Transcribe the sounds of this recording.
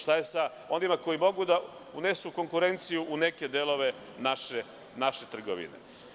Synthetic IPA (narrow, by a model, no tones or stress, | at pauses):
ʃt̪ajesa | o̞nimako̞jimo̞ɡud̪aune̞suko̞ŋkuɾe̞nt̪sijuʔune̞ke̞d̪e̞lˠo̞ʋe̞ | naʃe | naʃe̞t̪r̩ɡo̰ʋḭnḛ